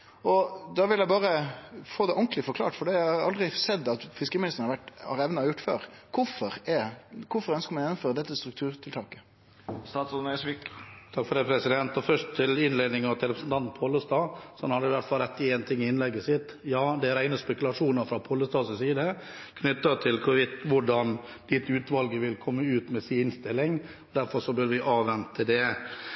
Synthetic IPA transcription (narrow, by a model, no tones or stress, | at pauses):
ɔd̪ɑːʋɪljæɪbɑːɾəfoːd̪ɛʔɔŋklɪfɔɾkʰlɑ̰ːʈfɔɖɛæɑɾɑld̪ɾɪsɛd̪ːɑt̪fɪskəɾmɪnɪst̪ən̩əhɑʋæʈːhɑ̰ɾɛʋnɑɔjʊʈːfø̰ːɾkʰʊfɔɾɛkʰʊfɔɾœnskəɾmɑnjnɔmføːɾəd̪ɛt̪ːəst̪ɾʉkt̪ʰʉːɾt̪ʰɪlt̪ʰɑːkə̥ | st̪ɑːt̪sʊnɛsʋikt̪ʰɑkːfɔɾɖ̪ɛpʰɾɛsɪd̪ɛnt̪ɔfœʂʈt̪ʰɪlɪnleːd̪nɪŋɑʋt̪ʰɪɾɛpɾsnt̪ʰɑnpʰoːlːəst̪ɑːsɔhɔnhɑd̪əɪʋæʈːfɑlɾɛt̪ːɪeːnt̪ʰɪŋːɪɪnlɛɡːəsɪt̪ː | jɑːd̪ɛæɾæɪnəspɛkʉlɑʂuːnəɾfɾɑpʰoləst̪ɑːsɔsiːd̪ə | kʰnʏt̪ːət̪ʰɪlkʰʊʋɪt̪ʋʊɖɑn | d̪ɪt̪ːʉːt̪ʋɑlɡəʋɪlkʰɔmːəʉːt̪mɛsinst̪ɪlːɪŋ | ɔd̪æɾfɔɾʂɔbœɾʋɪʔɑːʋɛnt̪əd̪ɛ